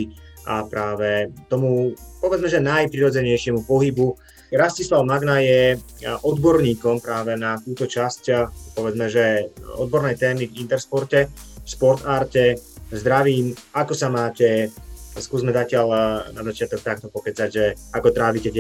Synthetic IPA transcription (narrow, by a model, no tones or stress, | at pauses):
iʔapɾaːʋɛt̪ɔmupɔʋɛd͡zmɛʒɛnajpɾiɾɔd͡zɛɲɛjʃɪɛmupɔɦibu | ɾascislaʊmaɡnajɛʔɔd̪bɔɾɲiːkɔmpɾaːʋɛnat̪uːt̪ɔt͡ʃascpɔʋɛd͡zmɛʒɛɔ̰d̪̚bɔɾnɛjt̪ɛːmivint̪ɛɾspɔɾcɛʃpɔɾt̪aːɾcɛzd̪ɾaʋiːmakɔsamaːcɛskuːzmɛzacɪaʎnazat͡ʃɪat̪ɔk̚t̪ak̚t̪ɔpɔpɛt͡saɟʒɛakɔt̪ɾaːʋicɛc